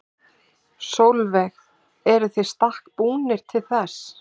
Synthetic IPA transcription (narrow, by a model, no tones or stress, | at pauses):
sowlvɛx | ɛɾʏθejst̪ahkpuːnɪɾ̥t̪ʰɪlθɛs